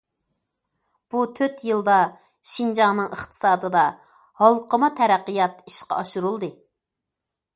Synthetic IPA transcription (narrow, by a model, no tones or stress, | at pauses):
b̥ut̪ʰøt̪jɨlˠd̪ɑ | ʃind͡ʒɑŋnɨŋəχt̪ʰɨ̥sɑːd̪ɨd̪ɑ | hɑlˠqəmɑt̪ʰɛɾæqːijɑt̪iʃqɑ̰ɑʃuɾulˠd̪ɨ